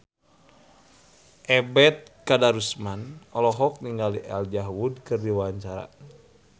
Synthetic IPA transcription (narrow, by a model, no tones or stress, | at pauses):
ʔɛbɛt̪̚kadaɾusmanɔlɔɦɔk̚niŋɡaliʔɛld͡ʒaɦwudkɨrdiwaɲt͡ʃaɾa̰